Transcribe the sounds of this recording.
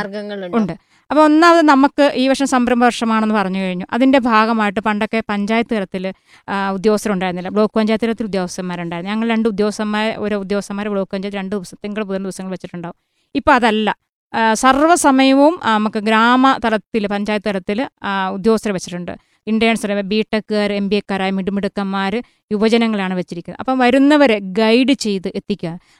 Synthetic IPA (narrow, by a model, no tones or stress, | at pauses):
rɡɐŋːɐɭuuɳɖɨ | ɐpːoːonːɐɐðɨnɐmukːɨʔiːʋɐʂɐmsɐmbɾɐmbʱɐʋɐrʂɐmaːɳe̞nːɨpɐrɐɲːukɐɻiɲːuʔɐðinde̞bʱaːɡɐmaːjiʈ̬ːɨpɐɳɖo̞kːe̞pɐɲd͡ʑaːjɐt̪ːɨkɐlɐt̪ːil | ud̪jo̞ːɐst̪ɐɾɐmuɳɖaːjɾunːilːɐbɭo̞ːkːɨpɐɲd͡ʑaːjɐt̪ːɐɾɐt̪ːilud̪jo̞ːʋɐst̪ɐɾɐmːaːɾuɳɖaːjɾnːuɲɐŋːɐɭɾe̞ɳɖɨud̪joːɐsɐmːaːɾʔoɾuud̪jo̞ːɐst̪ːɐmaːɾebɭo̞ːkːɨpɐɲd͡ʑajt̪ːɾe̞ɳɖɨd̪iʋɐsɐmt̪iŋɡɐɭp̬uðɐmd̪iʋɐsɐŋːɐɭʋet͡ɕːiʈːuɳɖaːʋum | ipːoːɭɐðɐlːɐ | sɐrʋɐsɐmɐjɐʋumnɐmukːɨɡɾaːmɐt̪ɐlɐt̪ːilpɐɲd͡ʑaːjɐt̪ːɨt̪ɐlɐt̪ːilud̪joːst̪ɐɾɐmʋet͡ɕːi̥ʈːuɳɖɨ̰ | iɳɖijaːɳsɐrebiːʈːɐkːaːɾembiekːaːɾaːjɐmiɽumiɽukːɐmːaːɾɨ | juʋɐd͡ʑɐnɐŋːɐɭaːɳɨʋet͡ɕːiɾikʲːuɨɐpːɐmʋɐɾunːɐʋɐɾe̞ɡɐjɖɨt͡ɕe̞jt̪ɨʔe̞t̪ːikʲːua